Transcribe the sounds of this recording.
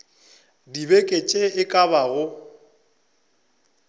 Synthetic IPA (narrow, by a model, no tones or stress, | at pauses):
dibekʼet͡ʃʼeɪkʼaβaɣʊ